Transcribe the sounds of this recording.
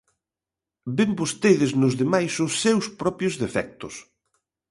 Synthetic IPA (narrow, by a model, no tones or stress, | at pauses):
bembost̪eðɪznʊzðemajsʊsːewspɾɔpjʊzðefɛk̚t̪ʊs